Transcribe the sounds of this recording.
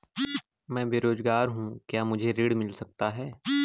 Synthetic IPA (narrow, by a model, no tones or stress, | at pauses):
mɛ̃ːbeːɾoːzɡaːɾɦũːkjaːmʊd͡ʒʱeɾɪɽmɪlsɐk̚t̪aɦɛː